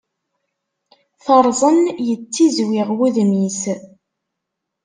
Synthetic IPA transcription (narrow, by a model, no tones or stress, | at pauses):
θəɾˤzˤənjət͡sːizwɪʁwuðmis